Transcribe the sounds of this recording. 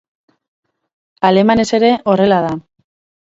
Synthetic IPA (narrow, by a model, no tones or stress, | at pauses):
ale̞mane̞se̞ɾe̞ʔo̞re̞laða